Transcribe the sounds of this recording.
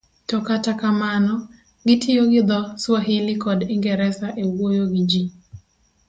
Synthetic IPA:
tɔkatakamanɔ | ɡɪtʰɪjoɡɪd̪ɔswaɦɪlɪkɔdiŋɡɛɾɛsaʔewwojoɡid͡ʒi

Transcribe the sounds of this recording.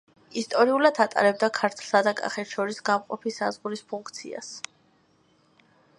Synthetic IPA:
ist̪ʼɔɾiulad̪at̪ʼa̰ɾɛbd̪akʰaɾt̪ʰlˠsad̪akʼa̰χɛt̪ʃɔɾisɡamqʼɔpʰisazʁuɾispʰuŋkʰt̪sʰḭa̰s

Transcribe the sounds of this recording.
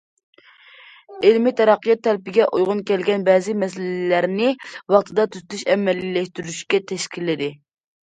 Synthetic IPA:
elmɪt̪ʰɛɾɑqːijɑt̪ʰːɛlpɪɡʲɛʔojʁʊnkʲɛlɡʲɛnbɛzɪmɛs̬ɪllæɾnɪwɑχt̪ʰɨd̪ɑt̪ʰyzt̪ʰyʃɛmɛlːilɛʃt̪yɾyʃkʲɛt̪ʰɛʃkʲilɪd̪ɪ

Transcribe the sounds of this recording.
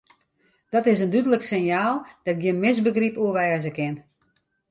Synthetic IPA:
d̥ɔtɪs̬əndydələksɪnjaːlˠd̥ɛt̚ɡjɪnmɪsbəɡripuəʋɛːzəkɪn

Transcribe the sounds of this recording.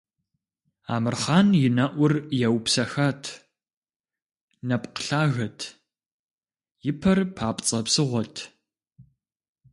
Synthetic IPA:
a̰ːmɨrχaːnjɪnɐʔʷʊrjɛwpsɐxaːtʰ | nɐpʼqə̥ɬaːɣɐtʰ | jɪpʰɐrpʰaːpʼt͡sʼɐpsɨʁʷɔtʰ

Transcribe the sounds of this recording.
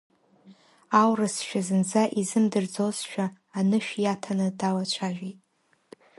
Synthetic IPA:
awrɨsʃᶣazɨnd͡zaʔizɨmdɨrd͡zozʃᶣaː | nɨʃᶣjatʰanɨdawat͡ʃʷʰaʒᶣitʼ

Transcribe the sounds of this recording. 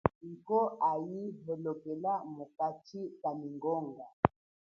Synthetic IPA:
ŋ̩kɔʔajiɦɛlokɛlamokat͡ʃikaniŋɡɔŋɡa

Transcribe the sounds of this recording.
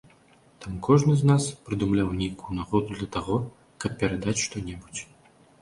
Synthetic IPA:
t̪amkʰɔʐnɨznaspɾɨd̪umlʲawnʲejkujunaɣɔd̪ud̪lʲɐt̪aɣɔ | kɐpʲpʲɛɾad̪at͡sʲʂt̪ɔnʲɛbut͡sʲ

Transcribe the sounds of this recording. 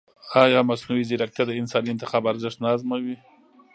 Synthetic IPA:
ɑjɑmasnuwizɪɾak̚t̪ad̪əɪnsɑniɪnt̪ɪxɑbaɾzɪʂt̪nɑzmawi

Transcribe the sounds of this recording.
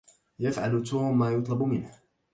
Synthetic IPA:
jafʕalt̪uːmːaːjʊt̪ˤlɑbʊmɪnh

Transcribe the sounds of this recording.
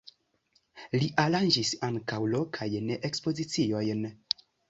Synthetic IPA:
liʔaɾand͡ʒisaŋkawlo̞kʰajneʔekspo̞zit͡sio̞jn

